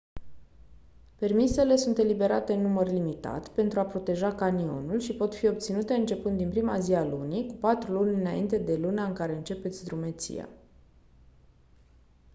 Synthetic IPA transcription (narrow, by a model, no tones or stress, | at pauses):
pe̞rmise̞le̞sunt̪e̞libe̞ɾat̪e̞nːumərlimit̪a̰t̪pe̞nt̪ɾuapɾo̞t̪e̞ʒakanio̞̰nulʃipo̞t̪fio̞p̚t̪sinut̪e̞ɨnt͡ʃe̞pɨnt̪d̪inpɾimazialunikupat̪ɾulunʲɨnaint̪e̞d̪e̞lunaɨŋkaɾe̞ɨnt͡ʃe̞pe̞t̪sʲd̪ɾume̞t̪sḭja̰